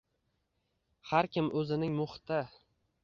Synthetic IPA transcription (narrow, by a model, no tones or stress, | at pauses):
haɾkʲɪmʔɵzɪnɪŋmʊχt̪ʰɪ